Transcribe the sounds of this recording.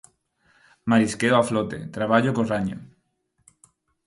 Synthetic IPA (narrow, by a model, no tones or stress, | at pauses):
maɾiskeoaflot̪ḛt̪ɾaβ̞aʎokoraɲo̰